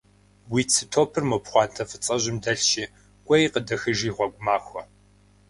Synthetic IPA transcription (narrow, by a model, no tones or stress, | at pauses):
wiːt͡sʰɨtʰoːpʰɨrmopχʷɑːntʰɐfɨt͡sʼɐʑɪmdɐɬt͡ʃiː | kʷʼɐjqədɐxɨʒiːʁʷɔɡʷʊmaːxʷɔ